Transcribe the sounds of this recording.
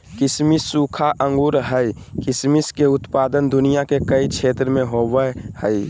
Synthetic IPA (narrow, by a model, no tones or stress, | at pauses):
kɪsmisuːkʰaʔə̃ŋɡuːɾɦəikɪsmiskeʊt̪paːd̪ənd̪ʊnijakekəit͡ʃʰeːt̪ɾəmẽɦoʋəhəi